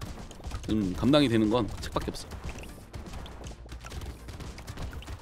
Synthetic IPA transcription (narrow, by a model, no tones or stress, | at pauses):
t͡ɕɯmkamdaŋidwenɯnɡʌnt͡ɕʰɯ̥k̚pak͈eʌp̚s͈ʌ